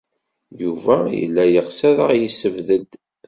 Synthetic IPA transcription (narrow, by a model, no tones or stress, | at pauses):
juvæjə̰lːæjəʁsæðəʁjəsːəvðəd̪